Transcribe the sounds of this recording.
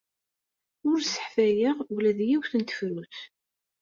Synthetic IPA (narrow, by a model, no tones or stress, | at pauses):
ʊɾsə̥ħfæjiʁwlæðjiwθənt̪ə̥fɾuθ